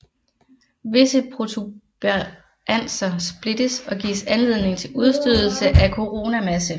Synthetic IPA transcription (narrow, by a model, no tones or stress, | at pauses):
ʋe̝səpʰʁo̝t͡sʰub̥ | æn̰sɐsb̥le̝d̥əsɒ̽ɡḭːsænle̝ðˠne̝ŋt͡sʰe̝luð̞ˠsd̥øðˠl̩səʔækʰo̝ʁo̝ːnæmæsə